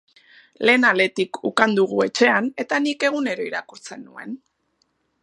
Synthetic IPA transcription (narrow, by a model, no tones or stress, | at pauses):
le̞ːnale̞t̪ikʰukand̪uɣ̞ue̞t͡ʃe̞ane̞t̪anike̞ɣ̞une̞ɾo̞iɾakuɾt͡se̞nːue̞̰n